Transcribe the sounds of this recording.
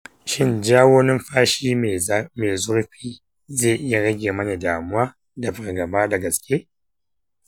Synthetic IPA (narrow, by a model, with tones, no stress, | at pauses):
ʃɪ˦nd͡ʒaː˦woː˦nɪ˦mɸaː˦ʃiː˦˨˦meː˨zʊ˦ɽɸiː˦ | zeː˦˨ʔɪ˦ja˨ɽɐ˦ɡʲeː˨mɐ˦na˨daː˨mʊ˦waː˦ | da˨bɐ˨rɡɐ˨baː˦da˨ɡɐ˨skʲʰeː˦